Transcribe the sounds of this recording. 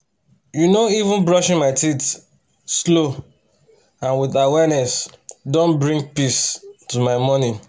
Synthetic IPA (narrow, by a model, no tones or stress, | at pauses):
junoivũnbɹɔʃɪ̃nmaɪtit | slo | ãnwiðawɛnɛsdõnbɹĩŋɡpistumaɪmɔni